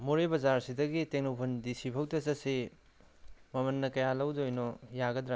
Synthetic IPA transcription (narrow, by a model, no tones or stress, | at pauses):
muɾebɐzaɾsidɐɡiteŋnowpʰɐndisipʰɐwtɐsɐsi | mɐmɐnːɐkɐjalɐwdojnɔjaɡɐdɾa